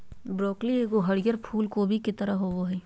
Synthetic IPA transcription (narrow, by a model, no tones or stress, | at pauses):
bɾoːklieɡoɦɐɽɪjəɾpʰuːlkobʱikɪt̪əɾəɦoʋoɦɛː